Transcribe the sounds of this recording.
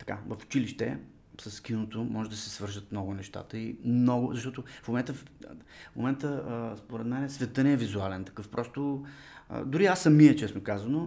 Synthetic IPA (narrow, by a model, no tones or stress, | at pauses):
t̪ɐ̥ka̰vɐfʊ̥t͡ʃiliʃt̪ɛ̰ | sɐsːkinot̪omɔʒɛd̪ɐsɛsvɤɾʒət̪mnɔɡʊnɛʃt̪a̰t̪əimnɔɡʊzɐʃt̪ɔt̪ʊfmomɛnt̪ə | mo̰mɛnt̪əspoɾɛt̪mɛnɛsvɛt̪ənɛːvizualɛnt̪ɐ̥kɤfpɾʔɔst̪o̰ | d̪ʊɾiasːɐmiət͡ʃɛsmɛkazɐno